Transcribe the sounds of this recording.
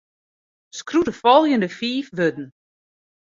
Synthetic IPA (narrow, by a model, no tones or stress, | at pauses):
skrudəfɔlˠjəndəfiːfʋødn̩